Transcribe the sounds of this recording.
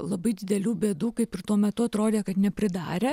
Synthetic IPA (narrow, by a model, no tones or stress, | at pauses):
lˠɐbɐɪd̪ʲɪd̪ʲɛlʲuːbʲeːd̪uːkɐɪpɪrt̪uɔmʲɛt̪ʊɐt̪ɾoːd̪ʲeːkɐt̪nʲɛpʲɾʲɪd̪ɑːɾʲeː